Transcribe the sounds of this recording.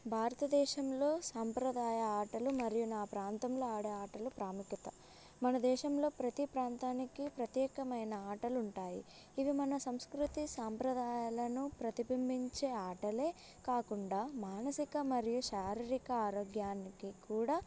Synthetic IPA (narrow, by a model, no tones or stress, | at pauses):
bʱaːɾɐt̪ɐd̪ɛːʃɐmlo̞ːsaːmpɾɐd̪aːjɐaːʈɐlumɐɾijunaːpɾaːnt̪ɐmlo̞ːaːɽeaːʈɐlupɾaːmukjɐt̪ɐ | mɐnɐd̪ɛːʃɐmlo̞ːpɾɐt̪ipɾaːnt̪aːnikipɾɐt̪jɛːkɐmɐjnɐaːʈɐluɳʈaːjḭː | ʋimɐnɐsɐmskɾut̪isaːmpɾɐd̪aːjalɐnupɾɐt̪ibʱɐmbʱiɲt͡ʃe̞ːaːʈɐle̞ː | kaːkuɳɖaːmaːnɐsikɐmɐɾijuʃaːɾiɾikɐaːɾoːɡjaːnikikuːɽaː